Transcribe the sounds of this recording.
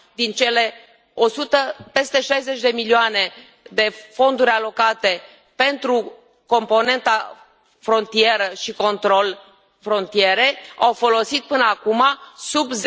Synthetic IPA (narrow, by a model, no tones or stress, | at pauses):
d̪int͡ʃe̞le̞ | o̞sut̪əpe̞st̪e̞ʃajze̞t͡ʃʲd̪e̞milioane̞ | d̪e̞fo̞nd̪uɾʲalo̞kat̪e̞ | pe̞nt̪ɾu | ko̞mpo̞ne̞nt̪a | fɾo̞nt̪ije̞ɾəʃiko̞nt̪ɾo̞l | fɾo̞nt̪ije̞ɾe̞a̰wfo̞lo̞sit̪̚pɨnəakumasubz